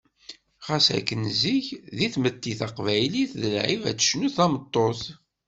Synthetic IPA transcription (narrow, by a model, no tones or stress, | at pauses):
χɑsæ̰kːənziçðiθmət̪ːiθɑqvæjliθðəlʕivæ̰t͡sːə̥ʃnuθæmət̪ˤːoθ